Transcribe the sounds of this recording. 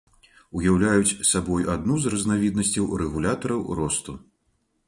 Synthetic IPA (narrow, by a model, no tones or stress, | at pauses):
ujawlʲajut͡sʲsabɔjad̪̚nuzrɐznavʲid̪nɐsʲt͡sʲɐwɾɛɣulʲat̪ɐɾɐwɾɔst̪u